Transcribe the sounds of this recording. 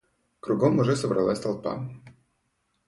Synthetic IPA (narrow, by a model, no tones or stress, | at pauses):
kɾʊɡomʊʐɛsəbɾɐ̰lˠasʲt̪ɐlˠpa̰